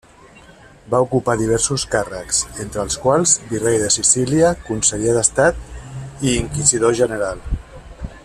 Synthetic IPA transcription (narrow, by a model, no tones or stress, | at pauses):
baukupaðiβ̞ɛɾsuskarəksent̪ɾəːlˠskwalˠzbirejðəsisiliəkunsəʎeðəst̪at̪iːŋkiziðoʒənəɾalˠ